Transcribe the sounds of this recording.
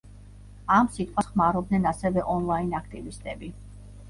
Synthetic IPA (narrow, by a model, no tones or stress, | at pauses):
amsit̪ʼqʼwasχmaɾɔb̚d̪nɛnasɛvɛʔɔnlˠainakʰt̪ʼivist̪ʼɛbi